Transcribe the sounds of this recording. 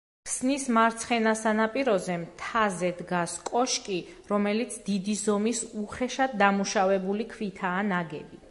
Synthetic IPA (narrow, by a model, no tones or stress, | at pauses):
pʰsnismaɾt̪sʰχɛnasanapʼiɾɔzɛmt̪ʰazɛd̪ɡaskʼɔʃkʼiɾɔmɛlit̪sʰd̪id̪izɔmisuχɛʃad̪ːamuʃavɛbulikʰvit̪ʰaːnaɡɛ̰bi